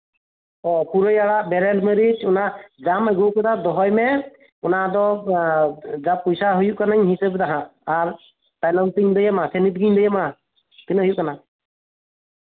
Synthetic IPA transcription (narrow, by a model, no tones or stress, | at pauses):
ɔpuɾəjaɽaʔbɛɾɛlmɛɾid͡ʒunaʔd͡ʒamɛɡɔkɔt̪ad̪ɔɦɔjmɛ | ɔnad̪ɔ | d͡ʒapɔjsaɦujuʔkanaɲɦisəbd̪aɦãʔaɾ | tajlɔntiɲd̪ɛjɛmasʰɛnit̪̚ɡiɲd̪ɛjɛmana | p̪inɦujuʔkana